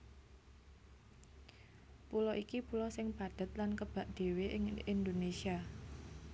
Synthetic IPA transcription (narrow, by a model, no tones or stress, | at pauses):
pulɔʔikipulɔsɪŋpad̪̥ə̤t̪lankəb̥a̤ʔd̪̥e̤weʔɪŋind̪onesia